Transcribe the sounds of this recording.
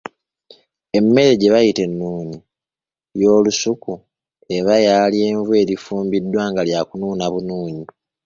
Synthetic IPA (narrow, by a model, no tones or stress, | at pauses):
e̞mːe̞ɾe̞ɟe̞βajite̞nːuːɲi | jo̞ːlusuku | e̞βajaːlie̞ːɱvwe̞ːɾifuːmbidːwaːŋɡaljakunuːnaβunuːɲi